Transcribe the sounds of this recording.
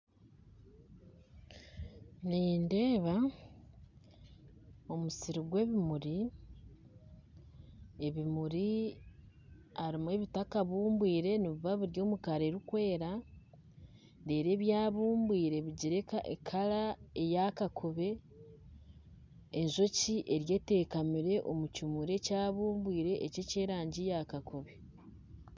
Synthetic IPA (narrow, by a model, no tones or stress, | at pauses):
niːnde̞ːβa | o̞musiɾiɡwe̞ːβimuɾi | eβimuɾi | aɾimwe̞βitakaβuːmbwiːɾe̞niβuβaβuɾjo̞ːmukaɾeɾikwe̞ːɾa | ndeːɾe̞ːβjaːβuːmbwiːɾe̞βiɟiɾeekʰalaejakakʰuβe̞ | nzo̞ciʔe̞ɾje̞ːte̞ːkamiɾe̞ʔo̞mucimuɾe̞caːβuːmbwiːɾe̞ʔːceceːɾaːɲɟijakakoβe